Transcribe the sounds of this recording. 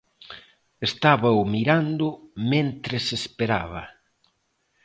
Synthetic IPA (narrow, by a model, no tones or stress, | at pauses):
est̪aβɐʊmiɾand̪ʊmẽnt̪ɾesespeɾa̰βɐ̰